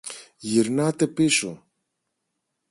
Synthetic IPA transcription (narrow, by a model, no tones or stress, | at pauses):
ʝiɾnɐt̪e̞pisu